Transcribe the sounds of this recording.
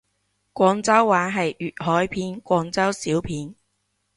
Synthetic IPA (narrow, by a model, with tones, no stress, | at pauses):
kʷɔː˧ŋt͡sɐ˥wːaː˨˥ɦɐ˨jyː˨t̚hɔː˨˥jpʰiː˧nkʷɔː˧ŋt͡sɐ˥wsiː˨˥wpʰiː˨˥n